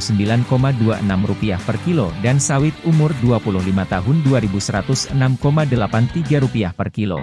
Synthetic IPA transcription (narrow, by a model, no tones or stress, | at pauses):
səmbilankomaduaʔə̰namrupiahpərkilodansawɪt̪̚umʊrduapulʊhlimat̪aɦʊnduaɾibusəɾat̪ʊsənamkomadəlapant̪iɡaɾupiahpərkilo̰